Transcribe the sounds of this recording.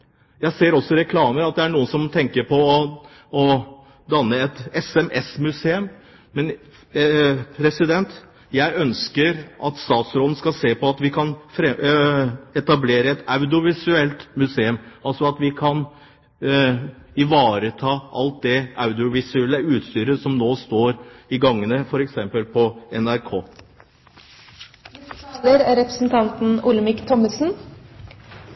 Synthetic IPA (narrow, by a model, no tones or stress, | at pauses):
jæɪseːɾɔsːɔɾɛkʰlɑːməɾɑt̪̚d̪ɛæɳuːənsɔmt̪ʰɛŋkəɾpʰɔː | ɔ | d̪ɑnːəɛt̪ɛsɛmʔɛsmʉseːʉm | mɛn | pʰɾɛsɪd̪ɛnt̪ | jæɪʔœnskəɾʔɑt̪st̪ɑːt̪sɾɔːd̪n̩skɑlseːpɔɑt̪ʋɪkʰɑnfɾɛ | ɛt̪ɑbleːɾəɛt̪ɑʉd̪ɪʊʋɪsʉɛlt̪mʉseːʉmɑlsɔɑt̪ʋɪkʰɑn | ɪʋɑːɾət̪ʰɑːʔɑlt̪̚d̪ɛɑʉd̪ɪʊʋɪsʉɛlːəʉːt̪st̪yːɾəsɔmnoːst̪oːɾɪɡɑŋːənəfɔɾɛksɛmpəlpʰɔɛnæɾkʰoː | əɾæɾɛpɾəsn̩t̪ʰɑnt̪n̩ʊləmɪkt̪ʰɔməsn̩